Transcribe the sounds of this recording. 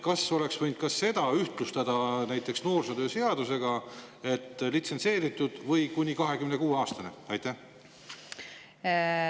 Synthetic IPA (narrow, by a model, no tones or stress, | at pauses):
kɑso̞le̞ksvɤjnd̪̥̚kɑsːe̞d̪̥ɑyht̪lust̪ɑd̪̥ɑnæjt̪ːˑe̞ksno̞ːrsed̪ø̞ːse̞ɑd̪̥use̞ɡ̥ɑ | e̞t̪ːˑlit̪se̞nse̞ːɾit̪ːˑud̪̥vɤjkunʲikɑɦe̞kymne̞kuːeɑːst̪ɑneɑjt̪ːˑæh